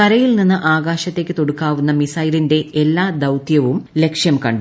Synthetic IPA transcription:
kɐɾɐjilninːɨʔaːɡaːɕɐt̪ːe̞ːkːɨt̪o̞ɽukːaːʋunːɐmisɐjɾinde̞ʔelːaːd̪ɐwt̪jɐʋumle̞kʂjɐmkɐɳɖu

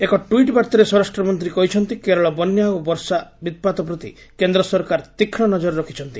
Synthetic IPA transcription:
ekɔʈuiʈbaɾt̪ɔɾesɔɾasʈɾɔmɔnt̪ɾikɔɦit͡ʃʰɔnt̪ikeɾɔɭɔbɔnjaobɔɾsabit̪̚pat̪ɔp̬ɾɔt̪ḭ | kend̪ɾɔsɔɾkaɾt̪ikʰːɽɔnɔd͡ʒɔɾɾɔkʰi̥t͡ʃʰɔnt̪i

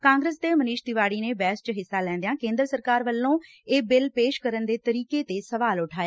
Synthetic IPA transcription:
kãːŋɡɾəsd̪eːmənɪːʃd̪ɪʋaːɽiːneːbɛːst͡ʃɦɪsːaːlɛ̃ːnd̪ejãːkẽːnd̪ɾəsəɾkaːɾʋəlːõː | eːbɪlpeːʃkəɾənd̪eːt̪əɾiːkeːt̪eːsəʋaːlʊʈʰaːjeː

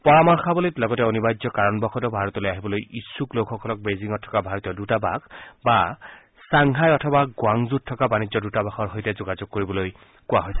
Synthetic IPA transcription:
pɔɹamɔɹxabɔlitlɔɡɔtɛonibazɔkaɹɔnbɔxʰɔdɔbʱaɹɔtɔlojaɦibɔlojisːuklowkʰɔkʰɔlɔk̚beziŋɔtʰːɔ̥kabʱaɹɔtijɔdutaba̰kba | saŋɦajɔtʰɔbaɡʊaŋzut̚tʰːɔkabanizɔdutabaxɔɹɦojtɛzoɡazoɡ̚kːoɹibɔloj | kʊwaɦojsɛ̥

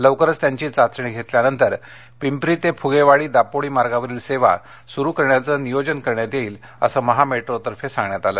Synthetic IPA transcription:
ləʋkəɾəst̪jaɲt͡ɕiːt͡sat͡sɾɳiɡʱet̪ljanənt̪əɾ | pimpɾiːt̪epʰuɡeʋaɽiːd̪apoɽiːmaɾɡaʋəɾiːlseʋa̰ | suɾuːkəɾɳjat͡səːnijod͡ʑənkəɾɳjat̪jeiːl | ə̰səːməɦameʈɾot̪əɾfesãŋɡɳjat̪aləː

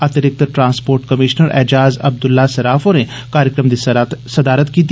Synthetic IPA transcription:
ɐt̪eɾɪk̚t̪əɾʈɾãːnspoːɾʈkəmɪːʃnəɾʔɛ̰ːd͡ʒaːzɐ̰b̚d̪ʊlːaːsɐɾaːfoːne | kaːɾɪkɾəmd̪isɐd̪aːɾət̪kiːt̪i

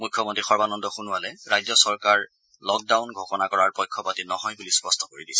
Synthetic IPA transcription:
mujkʰːɔmɔntɹixɔɹbanɔndɔxunʊwalɛɹajzɔsɔɹkaɹ | lɔk̚dawnɡʱɔkɔnakɔɹaɹpɔjkʰːɔpatinɔɦɔjbulispɔstʰɔkoɹidisɛ̥

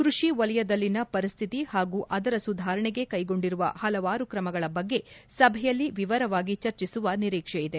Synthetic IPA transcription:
kɾuʂiʋɐlɛjɐd̪ɐlːinɐpɐɾist̪ʰit̪ihaːɡuːʔʔɐd̪ɐɾɐsud̪ʱaːɾɐɳɛɡe̞kɐjɡo̞ɳɖiɾuʋɐ̰hɐlɐʋaːɾukɾɐmɐɡɐɭɐbɐɡːe̞sɐbʱɛjɐlːiʋiʋɐɾɐʋaːɡit͡ʃɐɾt͡ʃisuʋɐniɾiːkʂɛjid̪e̞

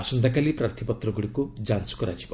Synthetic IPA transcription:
asund̪akalipɾaɾt̪ʰipɔt̪ɾɔɡuɽikud͡ʒansɔ̥kɔɾad͡ʒibɔ

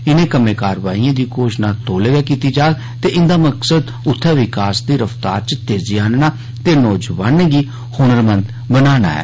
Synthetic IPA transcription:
ɪnẽːkəmẽːkaːɾʋa̰ːijãːd̪iːkoːʃnaːt̪oːleɡaːkiːt̪iːd͡ʒaːɡ | t̪eːʔɪnd̪aːməksəd̪ | ʊt̪ʰːaːʋɪkaːsd̪iːɾəft̪a̰ːɾt͡ʃt̪eːzɪjaːnnaː | t̪eːnɔːd͡ʒʋaːnẽɡiː | hoːnəɾmənd̪ | bənaːna̰ːɛ̰ː

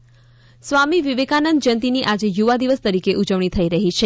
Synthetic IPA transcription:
sʋamiʋiʋekanənd̪̚d͡ʒənt̪iniʔad͡ʒejuʋad̪iʋəst̪əɾikeʔud͡ʒəʋɳ̃it̪ʰəiɾəɦit͡ʃʰe

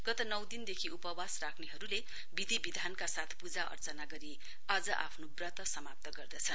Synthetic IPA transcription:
ɡ̥ʌt̪ʌnʌwd̪ind̪ekʰiupʌwasrakʰneɦʌɾule | bid̪ʱibid̪ʱankasat̪ʰpud͡zaʔʌ̰rt͡sʌnaɡʌɾi | ad͡zʌʔa̰pʰnobrʌt̪ʌsʌmap̚t̪ʌɡʌrd̪ʌt͡sʰʌn

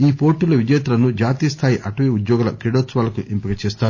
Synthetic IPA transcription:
iːpo̞ːʈːulɐʋid͡ʒɐjɐt̪ulɐnud͡ʒaːt̪ijɐst̪ʰaːjiʔɐʈuʋeud̪joːɡulɐkɾiɽoːt̪sʋaːlɐkuʔimpikɐt͡ʃɛːst̪aːu

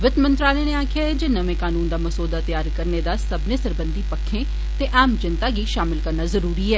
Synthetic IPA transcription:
ʋɪt̪mə̃nt̪ɾaːleːneaːkʰjaːɛd͡ʒɪnəmẽːkaːnuːnd̪aːməsoːd̪aːt̪ɪjaːɾkəɾneːd̪aːsəbneːsəɾbənd̪iːpəkʰːẽː | t̪eːʔaːmd͡ʒɪnt̪aːɡiːʃaːmɪlkəɾnaːzəɾuːɾiːɛː

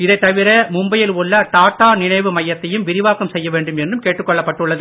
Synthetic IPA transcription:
ɪðɐɪt̪ːɐʋɪɾɐmʊmbɐjɪlʊɭːɐʈ̪aːʈːaːnɪɳɐɪʋɯmɐjːɐt̪ːɐjɯmʋɪɾɪʋaːkɐmsɛjːɐʋeːɳɖɯmɛndrɯmkeːʈːrɯkːɔɭːɐpːɐʈːɯɭːɐðɯ

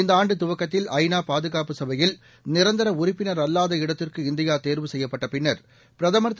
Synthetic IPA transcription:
ɪnd̪ɐaːɳɖɯt̪ʊʋɐkːɐt̪ːɪlʔɐɪnaːpaːðɯɣaːpɯsɐbɐjɪl | nɪɾɐnd̪ɐɾɐʊrɪpːɪnɐɾɐlːaːðɐɪɽɐt̪ːɪrkɯɪnd̪ɪjaːt̪eːɾʋɯsɛjːɐpːɐʈːɐpɪɳːɐɾ | pɪɾɐðɐmɐɾt̪ː

